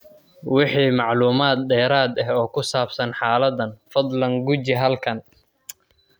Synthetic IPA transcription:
wɪħiːmɑʕluːmaːd̪ɖɛːɾaːd̪ɐɦɔːkʰʊsaːbsɐnħaːlɐd̪ɐnfɐd̪lɐŋɡʊt͡ʃɪɦɐlkʰɐn

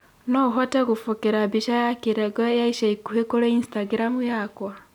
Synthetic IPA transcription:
noɦoteɣufokeɾabiʃajakiɾeɡɔjaiʃaikuhekoɾeinstaɡiɾamujakwa

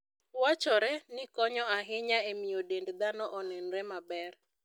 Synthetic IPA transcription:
wat͡ʃɔɾɛnɪkɔɲɔaɦɪɲaemijodendd̪anɔʔɔnɛnɾɛmabɛr

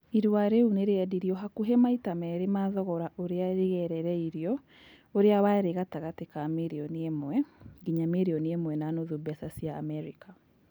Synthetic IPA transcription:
iɾwaɾeuneɾeɛdiɾiɔɦakuɦemaitamɛɾemaðɔɣɔɾaʔoɾeaɾeɣɛɾɛɾɛiɾiɔ | oɾeawaeɾeɣataɣatekameɾiɔniemwɛɡiɲameɾiɔniemwɛnanoðubɛsasija̰ːmɛɾika

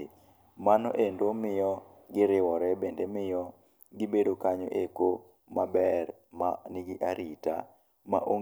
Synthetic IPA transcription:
manɔ̰ʔendomɪjɔ | ɡɪɾɪwɔɾɛbendemɪjɔ | ɡɪbedokaɲo̰ʔeko | mabɛr | manɪɡɪʔaɾita̰ | ma̰ʔoŋ

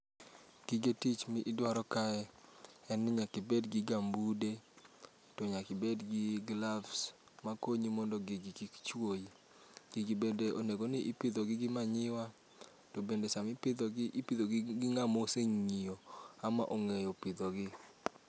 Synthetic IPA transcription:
ɡ̥ɪɡetit͡ʃmɪʔɪdwaɾɔkaɛɛnɪɲakɪbedɡɪɡambude | toɲakɪbedɡɪɡlavs | makoɲimɔndɔɡiɡɪkikt͡ʃwoji | ɡ̥iɡibendeʔoneɡonɪʔipɪd̪ɔɡɪɡɪmaɲɪwa | tobendesamɪpɪd̪ɔɡɪʔipɪd̪oɡɡɪŋamoseɲŋioama̰ʔoŋejopɪd̪oɡɪ

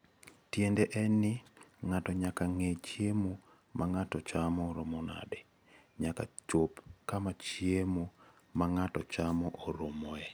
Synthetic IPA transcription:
tjendeʔɛnɪŋatɔɲakaŋet͡ʃjemu | mʔaŋatɔt͡ʃamɔɾomɔna̰dɛ | ɲaka̰t͡ʃopkamat͡ʃjemu | maŋatɔt͡ʃamɔʔoɾomɔɛ

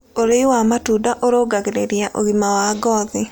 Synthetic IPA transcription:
oɾewamatudaʔoɾoɡaɣeɾeɾjaʔoɣimawaɡɔðɪ

